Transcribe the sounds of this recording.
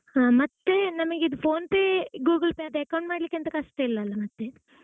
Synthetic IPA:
mɐt̪ːe̞nɐmɐɡeid̪upʰoːnpeːɡuːɡɐlpeɐd̪eɐkɐwɳʈmaːɽlikːeɐnt̪ɐkɐʂʈɐilːɐːlːɐmɐt̪ːe̞

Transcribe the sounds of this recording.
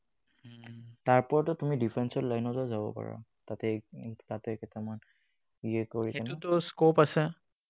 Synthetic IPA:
taɹpɔɹatʊtumidipʰɹɛnsɔtlajnɔzɔzabɔ̰pa̰ɹɔ̰ | tatɛtatɛkɛtʰɛman | iɛkoɹikɛnʊtʊskopasɛ

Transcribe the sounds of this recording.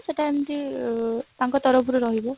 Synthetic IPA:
sɛtamti | taŋkɔt̪ɔɹɔbuɾuɹɔɦibɔ

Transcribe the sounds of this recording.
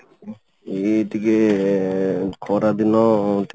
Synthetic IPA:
eʈ̪ike | kʰɔɾad̪inɔt̪

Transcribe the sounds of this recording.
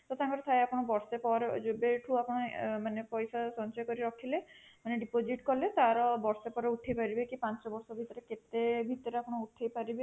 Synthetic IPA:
t̪ɔt̪ãŋkɔɾet̪ʰaeapɔɽ̃ɔbɔɾsepɔɾed͡ʒobeʈʰuapɔɽ̃ɔmanepɔjsasɔnt͡ʃɔjɔkɔɾiɾɔkʰilemaneɖipod͡ʒiʈkɔlet̪aɾɔbɔɾsepɔɾeuʈʰejpaɾibekipãnt͡ʃɔbɔɾsɔbʱit̪ɔɾeket̪ebʱit̪ɔɾeapɔɽ̃ɔuʈʰejpaɾibe

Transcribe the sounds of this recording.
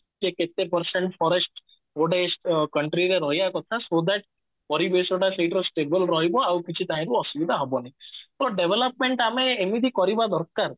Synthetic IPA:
d͡ʒeket̪epəɾseɳʈpʰɔɾesʈ | oɖesʈkəɳʈɾiɾeɾɔɦijakɔt̪ʰasod̪ɛʈ̚ | pɔɾibesɔʈaseʈɾɔsʈebəlɾɔɦibɔawkit͡ʃʰit̪aɦĩɾuɔsubid̪ʱaɦɔbɔnait̪ɔɾɔɖeʋʱelɔpmeɳʈameːmid̪ʱikɔɾibad̪ɔɾkaɾ

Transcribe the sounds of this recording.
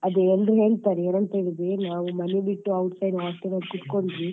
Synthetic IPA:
ɐd̪eeldɾuɦe̞ːɭt̪aːɾeːnɐnt̪ɐiɭid̪enaːʋumɐnebiʈːuɐwʈsɐjnaːʈtɐnɐkut̪koɳɖʋi

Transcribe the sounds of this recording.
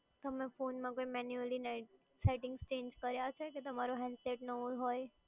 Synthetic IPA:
t̪əmẽfoːnmãkoimɛnjuəlina | saɪʈɪ̃ŋɡst͡ʃẽːɲd͡ʒkəɾjat͡ʃʰɛket̪əmaɾoɦɛ̃nɖseʈnəuɦoːe

